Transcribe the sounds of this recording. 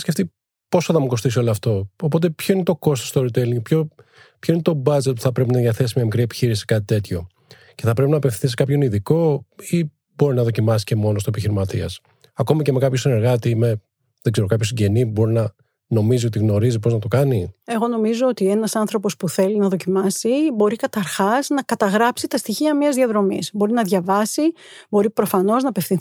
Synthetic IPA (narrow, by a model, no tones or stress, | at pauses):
sceft̪i | po̞sɐθɐmuko̞st̪is̬io̞loɐft̪o̞opo̞t̪̬e̞pço̞inet̪o̞ko̞st̪ost̪oɾit̪eliŋɡpço | pço̞inet̪o̞bɐd͡zet̪pu̥θɐpɾe̞p̬inɐðjɐθe̞s̬imɲɐmikɾie̞pi̥çiɾisi̥kɐt̪it̪e̞t̪ço̞ | ce̞θɐpɾe̞pinɐːpeθi̥θisi̥kɐpço̞niðiko̞i | bo̞ɾinɐðocimɐsisce̞mo̞no̞st̪oepiçiɾimɐt̪iɐs | ɐko̞miceme̞kɐpço̞sine̞ɾɣɐt̪ime̞ | ðeɡze̞ɾo̞kɐpço̞siɟe̞nibo̞ɾinɐ | no̞mizio̞t̪iɣno̞ɾizipoznɐt̪o̞kɐnie̞ɣo̞no̞mizoot̪ie̞nɐsɐnθɾo̞po̞spuθe̞linɐðo̞cimɐsibo̞ɾikɐt̪ɐɾxɐznɐkɐt̪ɐɣɾɐpsit̪ɐst̪içiɐmiɐzðiɐðɾo̞misbo̞ɾinɐðʝɐvɐsibo̞ɾipɾo̞fɐno̞znɐpe̞fθin